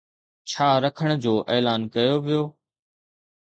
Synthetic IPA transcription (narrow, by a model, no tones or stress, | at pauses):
t͡ɕʰaːɾəkʰəɽ̃d͡ʑoːʔeːlaːnkɐjoːʋijoː